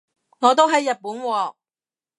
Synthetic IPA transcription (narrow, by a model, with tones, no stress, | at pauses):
ŋɔː˨˧t̪o˥wɦɐ˨jːɐ˨t̚puː˨˥nwɔː˨˧